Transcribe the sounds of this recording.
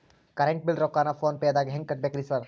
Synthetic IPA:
kɐɾeɳʈ̚bɪlɾoːkaːnafoːnpeɐd̪aɡɦɛ̃ŋkɐʈ̚beːkɾisəɾ

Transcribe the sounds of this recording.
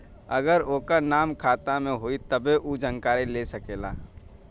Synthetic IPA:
ɐɡəɾoːkanaːmkʰaːt̪amẽɦoit̪əbeʔud͡ʒəŋkaːɾilesəkeːla̰ː

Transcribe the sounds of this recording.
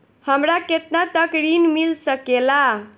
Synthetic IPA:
həmɾaket̪nat̪əkɾinmilsəkela

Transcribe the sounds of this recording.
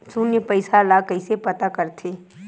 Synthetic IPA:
sunjəpəɪsalakəisepɐt̪akɐɾt̪ʰeː

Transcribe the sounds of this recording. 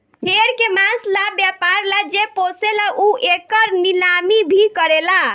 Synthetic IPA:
heɾkemãslabjapaɾlad͡ʒeposelaʔuʔekəɾnilamibʱikəɾela

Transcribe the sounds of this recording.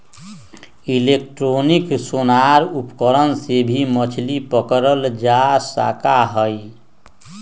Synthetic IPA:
ilek̚ʈɾoniksonaɾupkəɾənsebʱimət͡ʃʰlipəkɾəld͡ʒasa̰kaɦəj

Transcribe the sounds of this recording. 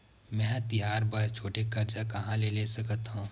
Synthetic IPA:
mɛ̃ːt̪ijaːɾbɐɾt͡ʃʰoːʈekɐɾd͡ʒakɐɦãlelesɐkət̪ɦũ

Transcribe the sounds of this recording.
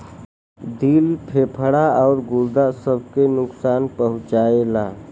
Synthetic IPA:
d̪ilpʰepʰəɽaɔʊɾɡuɾd̪asəbʱkenʊksanpəɦʊ̃t͡ʃaela

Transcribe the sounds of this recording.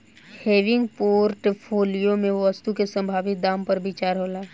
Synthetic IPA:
heːʋɪ̃ŋɡpoːɾʈpʰoːlijomẽʋəst̪ukesə̃mbʱaːʋɪt̪̚d̪ãːmpɐɾbit͡ʃaːɾɦoːlaː

